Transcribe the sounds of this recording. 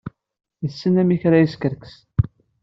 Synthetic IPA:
jəsːənæmiçɾæjəskəɾkə̥s

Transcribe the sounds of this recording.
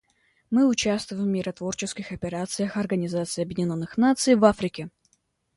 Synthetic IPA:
mɨʊt͡ɕast̪vʊjɪmːʲɪɾɐt̪vo̞rt͡ɕɪskʲɪxɐpʲɪɾat̪sɨjəxɐrɡənʲɪzat̪sɨjɐbjɪdʲɪnʲonːɨxnat̪sɨjvafɾʲɪkʲɪ

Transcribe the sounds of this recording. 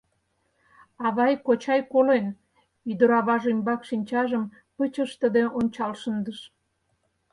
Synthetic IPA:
ɑβɑjkot͡ɕɑjkolen | yd̪ə̆ɾɑβɑʒymʲbɑkʃinʲt͡ɕɑʒəm | pət͡ɕəʃt̪əd̪eonʲt͡ɕɑlʃənd̪əʃ

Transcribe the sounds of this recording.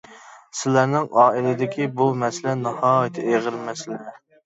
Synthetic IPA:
sɪlæɾnɪŋɑːilˠɪd̪ɪkʲʰibumɛsɪlɛnɨhɑːjɪt̪ʰɪeʁəɾmɛsɪlɛ

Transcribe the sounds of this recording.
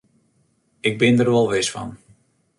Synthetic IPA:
ɪɡ̚bɪndərʋɔlˠʋɪsfɑ̰n

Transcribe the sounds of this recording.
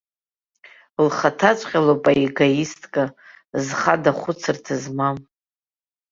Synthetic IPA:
lχatʰat͡ʃʷʼqʲʼalopʼaiɡajistʼkʼa | zχadaχʷʊt͡sʰɨrtʰɨzmam

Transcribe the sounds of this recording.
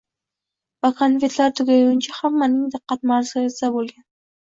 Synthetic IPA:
vakʰanvet̪laɾt̪ʰʊɡʲajɪnt͡ʃʰahamːanɪŋd̪ɨqːɑt̪̚maɾzɨesd̪abolˠɡʲan

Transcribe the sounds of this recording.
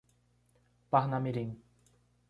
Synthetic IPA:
paχnamiɾiŋ

